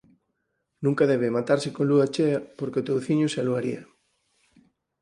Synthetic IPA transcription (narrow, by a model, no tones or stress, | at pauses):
nũŋkaðɛβ̞emat̪aɾsekõnluat͡ʃeapoɾkeot̪owθiɲʊsaloaɾiɐ